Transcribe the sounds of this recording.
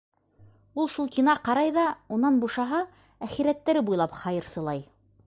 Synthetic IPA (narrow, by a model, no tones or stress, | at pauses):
ulˠʃulˠkinɑqɑɾɑjðɑunɑnbuʃɑɦɑ | æχiɾæt̪ːæɾɘbujlˠɑpχɑjɤ̆ɾsɤ̆lˠɑj